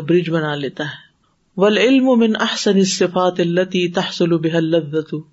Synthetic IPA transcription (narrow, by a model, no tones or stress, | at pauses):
bɾɪd͡ʒbɐnaːleːt̪aɦɛː | ʋɐlʕɪlmʊmɪnʔɐħsɐnɪsːɪfaːt̪ɐlːɐt̪iːt̪ɐħsʊlʊbɪɦɐlːɐðːɐt̪ʊ